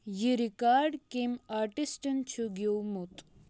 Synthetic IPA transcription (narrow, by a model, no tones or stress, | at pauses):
jiɾikaːɾɖkimaɾʈisʈənt͡ʃʰuɡewmut̪